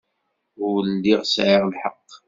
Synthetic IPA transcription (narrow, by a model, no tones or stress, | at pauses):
əlːiʁsʕɪʁlħəqː